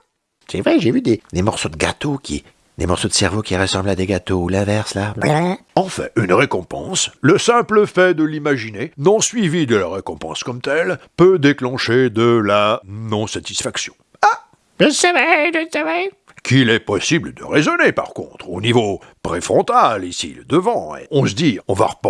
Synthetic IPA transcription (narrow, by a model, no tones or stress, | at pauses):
sɛvʁɛʒevyd̪ed̪emɔʁsod̪əɡa̰t̪ʰokʲḭ | d̪emɔʁsod̪əsɛʁvokʲiʁəsɑ̃blad̪eɡat̪oulɛ̃vɛʁsla | ɑ̃fɛ̰̃ynʁekɔ̃pɑ̰̃sləsɛ̃pləfɛd̪əlimaʒinenɔ̃sɥivid̪əlaʁekɔ̃pɑ̰̃skɔmt̪ɛlpød̪eklɑ̃ʃed̪əlanɔ̃sat̪i̥sfaksjɔ̰̃ | a | ʒəsavɛʒəsavɛ | kʲilɛpɔsibləd̪ə̰ʁezɔnepa̰ʁkɔ̰̃t̪χonivo | pχefχɔ̃t̪alisḭlə̰d̪əvɑ̃ḛɔ̃səd̪iɔ̃va̰ʁp